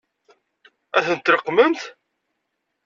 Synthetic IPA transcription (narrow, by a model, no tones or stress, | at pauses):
æθənt̪ːɾəqːmənt̪